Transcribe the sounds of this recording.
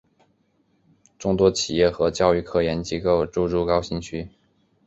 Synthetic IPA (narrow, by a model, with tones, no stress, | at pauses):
ʈ͡ʂʊ˥ŋt̪wɔ˥t͡ɕʰi˨˩jɛ˥˩xɤ˧˥t͡ɕjɑ˥˧ʊy˥˧kʰɤ˥˩jɛ˧˥nt͡ɕjɛ˥ko˥˧ʊʈ͡ʂu˥˧ɻu˥˩kɑ˥ʊɕi˥˩ŋt͡ɕʰy˥